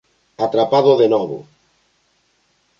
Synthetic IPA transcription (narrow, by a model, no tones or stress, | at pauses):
at̪ɾapaðoðenɔβo̰